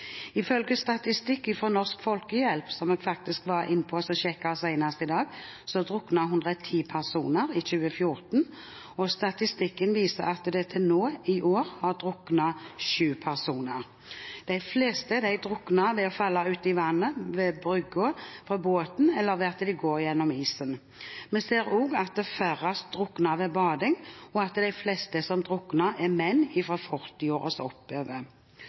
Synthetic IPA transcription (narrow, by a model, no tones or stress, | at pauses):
ɪfœlɡəst̪ɑt̪ɪst̪ɪkːɪfʁɔnɔʁskfɔlkəjɛlpsɔmɛːɡ̥fɑk̚t̪ɪskʋɑɾɪ̰nːpʰɔsɔɕɛkːɑsæɪnɑst̪ɪd̪ɑːɡsɔd̪ʁʊkːnɑɦʉnd̪ʁət̪ʰiːpʰæʁsuːnəɾɪt͡ʃʉːəfjʊɾt̪n̩ | ɔst̪ɑt̪ɪst̪ɪkːənʋiːsəʁɑt̪d̪ɛt̪ʰɪnoːɪʔoːʁhɑʁd̪ɾʊkːnɑɕʉːpʰæʁsuːnəʁ | d̪̥æɪfleːst̪əd̪æɪd̪ɾʊkːnɑʋɛɔfɑlːɑʉːt̪ɪʋɑnːəʋɛːbɾʏɡɔfɾɔboːt̪n̩ɛlːəɾʋɛɑt̪d̪ɪɡoːɾjɛnːɔmiːsən | mɛnseːɾoːɡɑt̪̚d̪ɛfæɾɑsd̪ɾʊkːnɑʋɛbɑːd̪ɪŋɔɑt̪d̪æɪflɛst̪əsɔmd̪ʁʊkːnɑɛʁmɛnːɪfɾɑfɔɾt̪ɪoːɾsɔ̰pøːʋə